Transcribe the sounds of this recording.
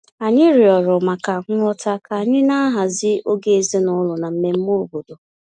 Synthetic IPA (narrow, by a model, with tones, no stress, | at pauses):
a˨ɲɪ˦ɾi˨ɔ˨ɾɔ˨ma˨ka˨ŋ̩˦ŋʷɔ˦ta˦kʰa˨a˨ɲɪ˦na˦ɦa˨zɪ˦o˦ɡe˦˨e˨ze˦nʊ˦lʊ˨na˨m̩˦me˦m̩˦mo˦˨bo˨do˨